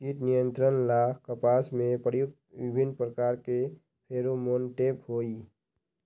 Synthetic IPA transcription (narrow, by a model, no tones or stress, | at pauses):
t͡ʃiːʈnɪjə̃nt̪ɾənlaːkʰkəpaːsmẽpɾəjʊk̚t̪ʋɪbʱɪnpɾəkaːɾke | pʰeːɾomonʈeːphoːiː